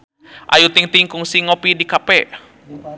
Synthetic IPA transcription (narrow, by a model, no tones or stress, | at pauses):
ʔa̰jut̪iŋt̪iŋkʊŋsiŋopidikapɛ